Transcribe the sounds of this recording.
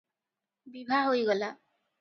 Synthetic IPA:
bibʱaɦojɡɔla

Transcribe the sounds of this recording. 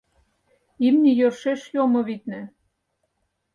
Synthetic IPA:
imnʲijørʃeʃjomɤ̆βit̪̚næ

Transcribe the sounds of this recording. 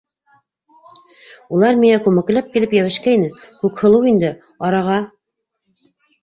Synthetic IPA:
ulˠɑɾmiŋækʉmɘ̆klæp̚kilɘpjæβɘ̆ʃkænɘkʉkhɤ̆lˠɤwind̪ɘ | ɑɾɑʁɑ

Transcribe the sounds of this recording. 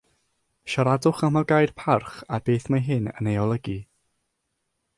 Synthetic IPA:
ʃaɾadʊχamaɡajr̥pʰarχabeːθmaɦɪnə̰nejɔlˠəɡi

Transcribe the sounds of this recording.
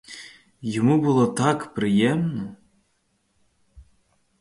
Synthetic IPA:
jɔmubʊlˠɔt̪ɑkpɾɪjɛmnɔ

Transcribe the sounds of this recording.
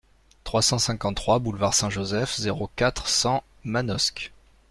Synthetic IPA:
t̪χwasɑ̃sɛ̃kɑ̃ːχwabulvaʁsɛ̃ʒozɛfzeʁokat̪χsɑ̃ | manɔsk

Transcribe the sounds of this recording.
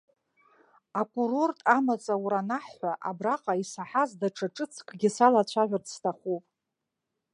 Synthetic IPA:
akʷʼurortʼamat͡sʼawuɾanaħːʷaʔa̰braqʼaisaħazdaʈ͡ʂʰʼaʈ͡ʂʼɨt͡sʰkʼʰɡʲɪsalat͡ɕʷʰaʕᶣʷartstʰaχʷupʼ

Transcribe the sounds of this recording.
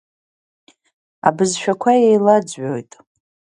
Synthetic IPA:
a̰bɨzʃᶣakʷʰajejlad͡zʕojtʼ

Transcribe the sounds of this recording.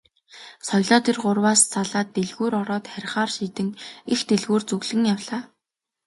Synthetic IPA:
sɔjɮaːt̪ĭːrɢʊrwaːst͡sʰaɮaːt̪ːeɮɣuːɾɔɾɔːt̪χæɾʲɪ̆χaːrʃiːt̪ɘ̆ŋixt̪eɮɣuːrt͡sɵɣɮɘ̆ŋjawɮaː

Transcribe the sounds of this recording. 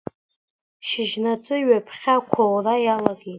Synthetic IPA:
ʃɪʒnat͡sʼɨɥapʰχʲakʷʰawrajalaɡejtʼ

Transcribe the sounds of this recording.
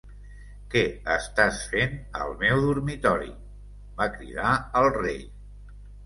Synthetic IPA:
kɛəst̪asfenə̰lˠmɛwðurmit̪ɔɾḭ | bakɾḭðaəlˠrej

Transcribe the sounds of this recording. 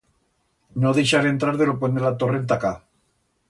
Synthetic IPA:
noðejʃaɾent̪ɾaɾðelop̬wend̪elat̪orent̪aka

